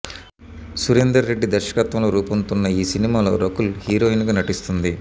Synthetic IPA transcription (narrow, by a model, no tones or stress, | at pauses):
suɾend̪ɾɐɾe̞ɖːid̪ɐɾʃɐ̥kɐt̪ʋɐmlo̞ːɾuːpɐnt̪unːɐiːsinimaːlo̞̰ːɾokulhiːɾo̞ːinɡɐːnɐʈist̪und̪i